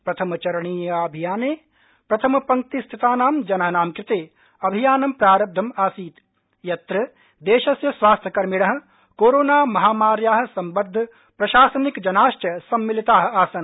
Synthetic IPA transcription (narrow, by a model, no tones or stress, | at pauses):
pɾɐt̪ʰɐmɐt͡ʃɐɾɳ̃iːjɐɐbʱijaːneː | pɾɐt̪ʰɐmɐpɐ̃ŋ̚t̪ist̪ʰit̪aːnaːmd͡ʒɐnɐɦɐnaːmkɾɪt̪eː | ɐbʱijaːnɐmpɾaːɾɐb̚d̪ʱɐmaːsiːt̪ | jɐt̪ɾɐ | d̪eːʃɐsjɐsʋaːst̪ʰjɐkɐɾmɪɽɐɦ̆ | koːɾoːnaːmɐɦaːmaːɾjaːɦ̆sɐmbɐɾd̪ʱː | pɾɐʃaːsɐnikd͡ʒɐnaːʃt͡ʃɐsɐmːɪlit̪aːɦaːsɐn